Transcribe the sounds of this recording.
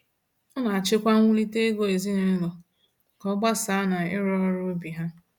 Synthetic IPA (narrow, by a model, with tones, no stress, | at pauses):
ɔ˦na˨a˨t͡ʃɪ˦kʷa˦ŋʷu˦li˦te˦ɡo˦e˨zi˦ne˦lɔ˨ | kɔ˦ɡ͡ba˦sa˨˦na˨ɪ˦ɾɔ˦ɾo˦bi˨ɦa˦